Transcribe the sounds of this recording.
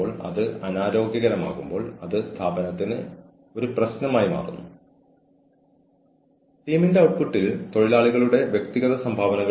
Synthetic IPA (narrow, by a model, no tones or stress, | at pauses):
oːɭɐ̰ðɨɐnaːɾo̞ːɡjɐɣɐɾɐma̰ːɣumbo̞ːɭɐðɨst̪ʰaːbɐnɐt̪ːinɨ | o̞ɾuprɐɕnɐmaːjima̰ːrṵnːu | ʈiːminde̞ɐwʈkuʈːilt̪o̞ɻilaːɭiɣɐɭuɽe̞ʋjek̚t̪iɣɐðɐsɐmbʱaːʋɐnɐɣɐ